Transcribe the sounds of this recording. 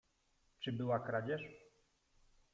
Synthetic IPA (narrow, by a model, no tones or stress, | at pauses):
t͡ʂɘbɘwakɾad͡ʑɛʂ